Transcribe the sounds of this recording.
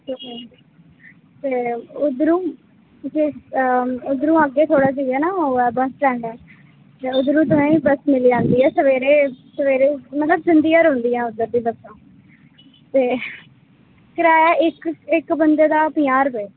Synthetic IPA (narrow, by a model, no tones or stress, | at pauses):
d͡ʒiː | t̪eːʊd̪ɾũː | d͡ʒeː | ʊd̪ɾũːəɡeːt̪ʰoːɽaːd͡ʒiːɛːnaːoːɛːbəslɛːɳɖɛː | t̪eːʊd̪ɾũːt̪̬ʊsãːĩːbəsmɪliːd͡ʒãːnd̪iːɛːsəʋeːɾeːsəʋeːɾeːmət̪ləbzɪ̃nd̪iːjaːɾɦõnd̪iːɛːʊd̪əɾd̪iːbəksãː | t̪eː | kəɾaːjaːʔɪkɪkbənd̪eːd̪aːpɪjaːɾbeː